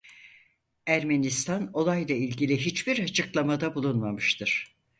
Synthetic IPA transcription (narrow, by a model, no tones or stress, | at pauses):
æɾmenist̪ʰano̞lˠajlˠailʲɟilʲiɦit͡ʃbiɾat͡ʃʰɯklˠamad̪abulˠunmamɯʃt̪ʰɯɾ̥